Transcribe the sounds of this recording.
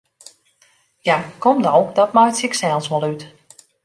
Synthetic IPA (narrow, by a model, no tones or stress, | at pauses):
jakɔmdɔwdɔt̚majtsiksɛlˠsʋɔlˠyt